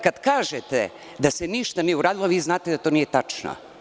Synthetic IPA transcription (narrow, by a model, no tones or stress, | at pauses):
kad̪kaːʒet̪e | d̪aseniʃt̪anijeuɾaːd̪ilˠoʋiːznaːt̪ed̪at̪oːnijet̪at͡ʂno̰